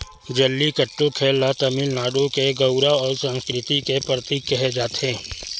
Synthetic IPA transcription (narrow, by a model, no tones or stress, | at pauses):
d͡ʒəlːikəʈːokʰeːlːat̪əmɪlnaːɖõkeɡɐʊɾaɔːɾsə̃nskɾɪt̪ik̪epɾət̪iːkːɛɦed͡ʒaːt̪ẽː